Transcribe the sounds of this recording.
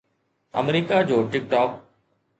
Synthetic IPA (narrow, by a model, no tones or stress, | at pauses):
ə̰mɾiːkad͡ʑoːʈɪk̚ʈɔːk̚